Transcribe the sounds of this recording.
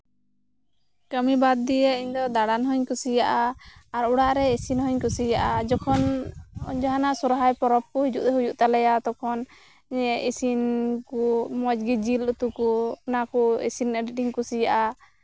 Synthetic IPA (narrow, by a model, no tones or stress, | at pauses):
kəmibad̪̚ːijɛiɲd̪ɔd̪aɽanɦɔɲkusijaʔaːɾuɽaʔɾɛisinhɔɲkusijaʔad͡ʒɔkʰɔn | d͡ʒaɦanaʔsuɾɦajpɔɾɔp̚kɔɦid͡ʒuʔd̪ɛɦujuʔt̪alɛjat̪ɔkʰɔn | ɛisinkumɔd͡ʒɡid͡ʒilut̪ukupnakuḭsinəɖiiŋkusijaʔa